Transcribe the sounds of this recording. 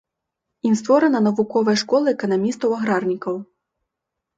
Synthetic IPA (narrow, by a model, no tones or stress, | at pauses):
inst̪vɔɾɐnɐnɐvukɔvɐjʂkɔlˠɐɛkɐnamʲist̪ɐwɐɣɾarnʲikɐw